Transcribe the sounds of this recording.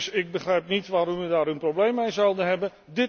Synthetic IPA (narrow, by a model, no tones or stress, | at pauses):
sɪɡ̚bəχrɛjp̚nitʋaːɾɔmʋədaːɾynprowblejmejzawdənɦɛbən | dɪ